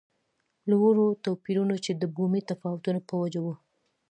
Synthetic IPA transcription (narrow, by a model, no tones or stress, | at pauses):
lwoɾot̪opiɾunot͡ʃed̪əbumit̪afɑwʊt̪unopəwad͡ʒawu